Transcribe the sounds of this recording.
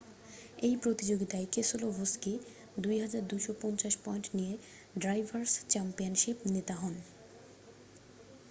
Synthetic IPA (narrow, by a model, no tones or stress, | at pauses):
ejpɾot̪id͡ʑoɡit̪aekesolobʱoske | d̪ujɦad͡ʑaɾd̪ujʃopɔnt͡ɕaʃpɔjnʈnije | ɖɾajbʱaɾst͡ɕɛmpijanʃipnet̪aɦɔn